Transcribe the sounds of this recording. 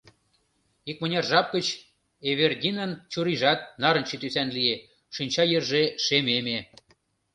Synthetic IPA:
ik̚mə̆nʲɑrʒɑp̚kət͡ɕ | eβerdʲinənt͡ɕuɾiʒɑt̪̚nɑɾə̆nt͡ɕet̪ysænlie | ʃynʲt͡ɕɑjerʒeʃememe

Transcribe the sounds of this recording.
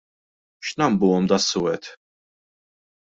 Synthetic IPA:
ʃnɐmbuːɔmd̪ɐsːʊɛt̪

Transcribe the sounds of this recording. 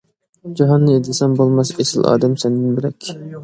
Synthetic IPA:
d͡ʒɑɦɑnːɨed̪ɪsɛmbolˠmɑsesɪlʔɑ̰ːd̪ɛmsɛnd̪ɪnbɪlɛkʲʰ

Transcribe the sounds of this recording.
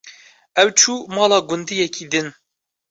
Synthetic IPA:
ɛwt͡ʃʰuːmɑːlɑːɡʊnd̪ijɛkʰiːd̪ɨn

